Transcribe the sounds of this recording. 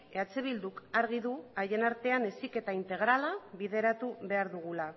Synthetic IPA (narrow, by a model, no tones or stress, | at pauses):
eat͡seβ̞ild̪ukaɾɣ̞iðuaje̞naɾt̪e̞ane̞sike̞t̪aint̪e̞ɣ̞ɾalaβiðe̞ɾat̪uβe̞aɾðuɣ̞ula